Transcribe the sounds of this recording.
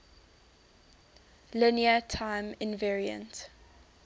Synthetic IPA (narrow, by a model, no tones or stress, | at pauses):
lɪniətʰãɪ̃mɪ̃nvɛɹiə̰̃nt